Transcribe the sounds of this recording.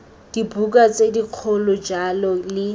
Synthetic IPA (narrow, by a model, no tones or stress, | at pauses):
d̥ibukʼat͡sediq͡χʰʊlɔd͡ʒalɔlɪ